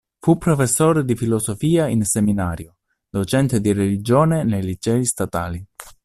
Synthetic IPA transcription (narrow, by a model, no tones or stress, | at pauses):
fupːɾofesːoːɾed̪ifilosofiːainseminaːɾjo | d̪ot͡ʃɛnt̪ed̪irelid͡ʒoːnenejlid͡ʒɛːist̪at̪aːli